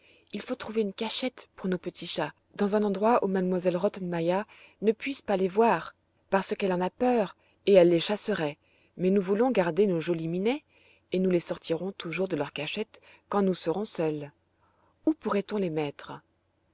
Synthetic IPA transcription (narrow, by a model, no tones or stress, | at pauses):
ilfot̪χuveynkaʃɛt̪puʁnopət̪ʰiʃa | d̪ɑ̃zɛ̃nɑ̃d̪ʁwaʔumad̪mwazɛlʁɔt̪ɔnmaja | nəpɥispalevwaʁ | paʁsəkɛlɑ̃napœʁ | eɛlːeʃasəʁɛ | mɛnuvulɔ̃ɡaʁd̪enoʒoliminɛ | enulesɔʁt̪ʰiʁɔ̃t̪ʰuʒuʁd̪əlœʁkaʃɛt̪ | kɑ̃nusəʁɔ̃sœl | upuʁɛt̪ɔ̃lemɛt̪χə